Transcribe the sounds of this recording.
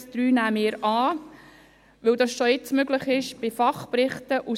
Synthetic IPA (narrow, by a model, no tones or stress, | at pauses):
sd̥ɾyːnæːmɪːəɾɑː | ʋɵldɑsʃɔɪt͡smøɡləχɪʃb̥ɪfɑχprɪχtəʔu